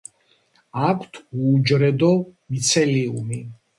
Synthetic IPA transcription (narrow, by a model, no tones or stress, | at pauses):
akʷʰt̪ʰuːd͡ʒɾɛd̪ɔmit̪sʰɛliumi